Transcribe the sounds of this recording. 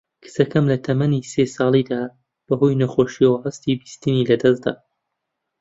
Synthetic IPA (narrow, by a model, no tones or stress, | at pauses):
kʰɨ̥sɐkɐmlɐt̪ʰɐmɐnisesɑːlˠid̪aː | b̥ɐɦojnɐxoːʃiɐwɐhɐst̪ibist̪ɨnilɐd̪ɐzd̪a̰ː